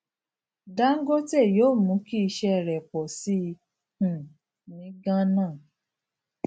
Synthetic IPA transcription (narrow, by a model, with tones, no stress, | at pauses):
da˦ŋ̩˦ɡo˦tɛ˦˨joː˨˦˨mũ˨˦ki˦i˧ʃɛ˧˨ɾɛ˨k͡pɔ˨si˦˧ | hũ˨ | nĩ˨˦ɡã˦nã˦˨